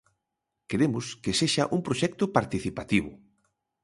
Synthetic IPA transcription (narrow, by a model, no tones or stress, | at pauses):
keɾemʊskeseʃaʔuŋpɾoʃɛk̚t̪ʊpaɾt̪iθipat̪iβʊ̰